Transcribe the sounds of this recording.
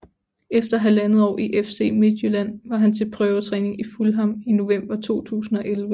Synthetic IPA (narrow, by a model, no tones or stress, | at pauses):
efd̥ɐɦælænð̩ˠɒ̰ːʔiʔefse̝̰ːme̝d̥ˠjølæn̰ʋɑ̈ɦænt͡sʰe̝lpʰʁœːʊɐt͡sʰʁɛːne̝ŋifulɦɑ̈mino̝ʋem̰b̥ɐt͡sʰo̝̰ːt͡sʰṵːsn̩ɒ̽ʔelʋə